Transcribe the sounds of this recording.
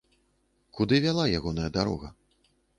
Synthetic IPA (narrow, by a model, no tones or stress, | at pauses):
kud̪ɨvʲalˠajaɣɔnɐjɐd̪aɾɔ̰ɣɐ